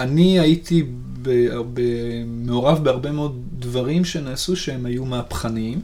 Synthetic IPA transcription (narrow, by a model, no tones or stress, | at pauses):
aniajit̪i | bebe | meo̞ʁavbeaʁbe̞meod̪ | dvaʁimʃe̞naːsuʃeemajumaːpχanim